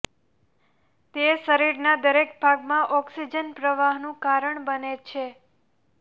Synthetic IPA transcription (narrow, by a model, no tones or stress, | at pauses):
t̪esəɾiɾnad̪əɾek̚bʱaɡmãʔɔksid͡ʒənpɾəʋaɦnũkaɾəɳbənet͡ʃʰe